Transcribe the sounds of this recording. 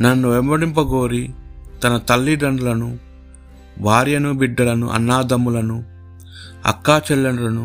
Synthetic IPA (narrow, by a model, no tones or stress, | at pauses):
nɐnːuʋɛmbɐɽimpɐɡoːɾit̪ɐnɐt̪ɐlːiɖɐɳɖɐlɐnu | bʱaːɾjɐnubiɖːɐlɐnṵʔɐ̰nːaːd̪ɐmulɐnu | ɐ̰kːaːt͡ʃɛlːɐnɐlɐnu